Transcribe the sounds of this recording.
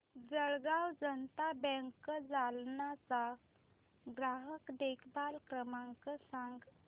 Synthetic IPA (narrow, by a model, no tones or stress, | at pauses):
d͡zəɭɡawd͡zənt̪abɛ̃ŋkd͡zalnat͡sa | ɡɾaɦəkd̪ekʰbalkɾəmaŋkəsãŋɡ